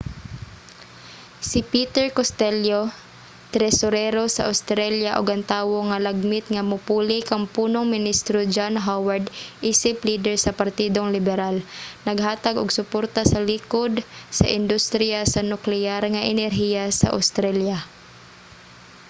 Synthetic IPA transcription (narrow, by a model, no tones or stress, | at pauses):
sɪpit̪ɛɹkost̪ɛljo | t̪ɾɛsoɾɛɾosaʔa̰wst̪ɾɛljaʔoɡɐŋt̪aːwoŋalɐɡ̚mɪt̪ŋamʊpuːlɪkaŋpuːnoŋmɪnist̪ɾod͡ʒanɦawaɹd̪ʔiːsɪpliːd̪ɛɹsɐpaɾt̪iːd̪oŋlɪbɛɾalnɐɡɦaːt̪aɡʊɡsʊpoɾt̪asɐlikod̪sa̰ʔɪnd̪ʊst̪ɾɪjasanʊklɛaɾŋaʔɛnɛɾɦijasa̰ʔa̰wst̪ɾalja